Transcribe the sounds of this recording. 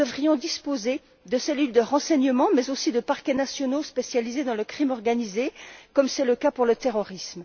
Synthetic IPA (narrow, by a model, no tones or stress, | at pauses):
əvʁijɔ̃d̪ispoze | d̪əselyld̪əʁɑ̃sɛɲəmɑ̃mɛzosid̪əpaʁkʲɛnasjɔnospesjalized̪ɑ̃ləkχimɔʁɡanizekɔmsɛləkapuʁlət̪eʁɔʁism